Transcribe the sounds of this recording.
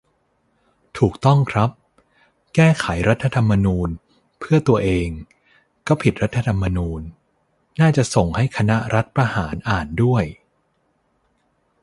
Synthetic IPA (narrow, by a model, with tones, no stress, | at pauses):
t̪ʰuː˨˩k̚t̪ɔ˥˩ŋkʰɾa˦˥p̚ | kɛː˥˩kʰa˩˦jɾa˦˥t̪ʰːa˧t̪ʰa˧mːa˧nuː˧n | pʰɯ˥˩ɐt̪u˧ɐʔeː˧ŋ | kɔː˥˩pʰi˨˩t̪̚ɾa˦˥t̪ʰːa˧t̪ʰa˧mːa˧nuː˧nː | aː˥˩t͡ɕa˨˩ʔso˨˩ŋha˥˩jkʰa˧na˦˥ɾʔa˦˥t̪̚pɾa˧haː˩˦nʔaː˨˩ndu˥˩əj